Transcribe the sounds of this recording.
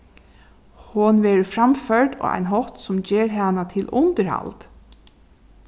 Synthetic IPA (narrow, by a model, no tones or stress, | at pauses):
hʊnʋɛːɹfɾamfœɹʈɔ̰ːa̰jnɦɔht̪sʊmd͡ʒeːɹɦanat̪ʰɪlʔʊnt̪əɹha̰lt̪